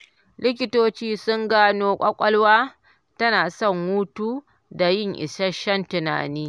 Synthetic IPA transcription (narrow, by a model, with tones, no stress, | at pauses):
lɪ˦k̬ʲɪ˦toː˦t͡ʃiː˦sʊ˦ŋɡaː˦noː˦kʷʼɐ˦kʷʼɐ˦lwaː˦ | tɐ˦naː˨sɔ˦˨ŋːu˦tuː˦ | da˨jɪ˦˨ŋʔɪ̰˨sɐ˦ʃɐ˦ntʊ˨na̰ː˨niː˦